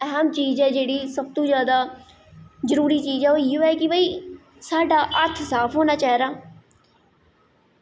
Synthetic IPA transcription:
ɛɦəmt͡ʃiːzɛːd͡ʒeːɽiːsəb̚t̪õːzjaːd̪aː | zəɾuːɾiːt͡ʃiːzɛːoːioɛːkɪbəiː | saːɖaːʔəɾt̪ʰsaːfʰɦoːnaːt͡ʃaːɦeɾaː

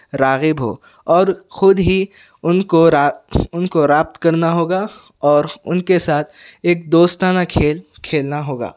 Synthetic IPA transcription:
ɾaːɣɪbɦo̰ː | ɔːɾxʊd̪ɦi | ʊnkoɾaʊnkoɾaːp̚t̪kɐɾnaɦoːɡa | ɔːɾʊ̰nkesaːt̪ʰeːk̚d̪oːst̪aːnakʰeːl | kʰeːlnaɦoːɡa̰ː

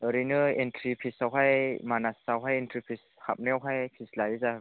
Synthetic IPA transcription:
ʔəɾinɯent̪ɾipʰisawɦajmanasːawɦajent̪ɾipʰisha̰p̚nɛwɦajpʰislajiza

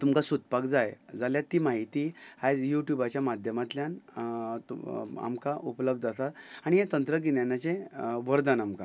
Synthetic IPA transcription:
t̪umkasut̪̚pakd͡zajd͡zaljat̪ːiːmaɦit̪iːad͡zjuʈjubat͡ɕjamad̪ʱjəmat̪ljan | a̰mkaʔupləb̚d̪ʱasat̪aɽ̃iɦet̪ənt̪ɾəɡinjanjat͡ɕẽʋəɾd̪anamka

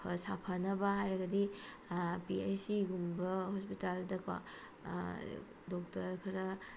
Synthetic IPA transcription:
sapʰɐnɐbɐɦajɾɐɡɐdi | piejsiɡumbɐhɔspitaldɐkwa̰ | dɔk̚tɐɾkʰɐɾɐ

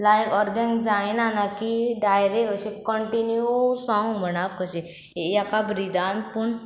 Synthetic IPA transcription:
lajkɔɾd̪ẽŋɡd͡zajnanakiɖajɾekəɕekəɳʈinjusɔ̃ŋɡm̤əɽ̃aʋkəɕe | ejakabɾid̪anpəɳ

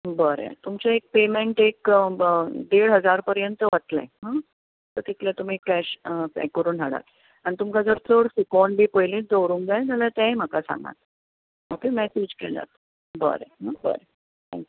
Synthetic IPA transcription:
bəɾḛt̪umt͡ɕaek̚pemeɳʈek | d̪eɽɦəd͡zaɾpəɾjənt̪əʋət̪lḛɦã | t̪əɾt̪ik̪let̪um̤iːkɛɕpɛ̰kːəɾuːnɦaɽa̰t̪ | aɽ̃it̪umkad͡zəɾt͡səɽfikɔɳbʱiːpəjlĩd͡z̪owɾuːŋd͡zajd͡zalat̪ãem̤əkasã̰ŋɡa̰t̪̚ | apimesed͡ʑkela̰t̪ | bə̰ɾḛɦãbə̰ɾe | t̪ʰɛ̰̃ŋkʲju

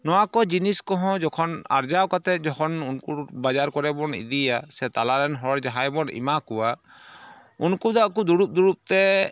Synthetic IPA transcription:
nɔwakɔd͡ʒiniskɔɦɔ̃d͡ʒɔkʰɔna̰ɾd͡ʒawkat̪ɛd͡ʒɔkʰɔnunkuɾbad͡ʒaɾkɔɾɛbɔnḭd̪ijasɛt̪alaɾɛnɦɔɾd͡ʒaɦajbɔnḭmakuwa | unkud̪aʔkud̪uɾup̚d̪uɾup̚t̪ɛ

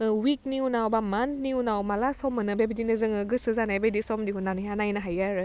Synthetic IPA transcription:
wik̚niunawbamantniunawmalasɔmɯnɯbebdinɯzɯŋɯɡɯsɯzanabedisɔmdiɦunanɯɦjanajnaɦajaɾɯ

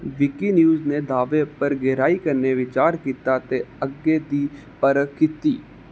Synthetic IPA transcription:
ʋɪkinjuːzned̪aːʋepəɾɡɛːɾaːikɐɾneʋɪt͡ʃaːɾkiːt̪at̪eəɡːed̪iː | pəɾəkit̪iː

